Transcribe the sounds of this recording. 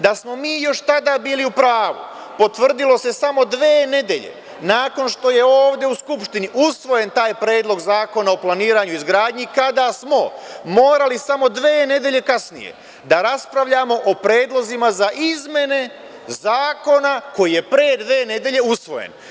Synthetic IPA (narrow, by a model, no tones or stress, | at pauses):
d̪asmo̞miːjo̞ʃt̪ad̪aːbiːliupɾaːʋṵpo̞t̪ʋr̩d̪ilo̞se̞samo̞d̪ʋeːne̞d̪e̞̰ʎe̞̰ | naːko̞nʃt̪o̞je̞oːʋd̪e̞uskupʃt̪iniʔusʋo̞je̞nt̪aːjpɾe̞ːd̪lo̞ɡzaːko̞naoplˠaniːɾaːɲuizɡɾaːd̪ɲikad̪asmo̞mo̞ːɾalisamo̞d̪ʋeːne̞d̪je̞ʎe̞kasnḭje̞̰ | d̪aɾaspɾaʋʎamo̞ʔopɾe̞ːd̪lˠo̞zimazaʔizmje̞ne̞ | zaːko̞nako̞jije̞pɾe̞ːd̪ʋe̞ːne̞d̪jeʎe̞usʋo̞̰jḛn